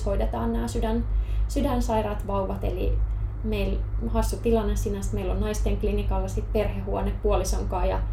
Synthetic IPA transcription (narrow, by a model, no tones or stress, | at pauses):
hoidet̪ɑːnnæːsydænsydænsɑirɑt̪ʋɑuʋɑt̪ḛlḭ | meilhɑsːut̪ilɑnːessinæst̪meilːonnɑist̪eŋklinikɑlːɑsit̪perhehuoneppuolisɑŋkɑːjɑ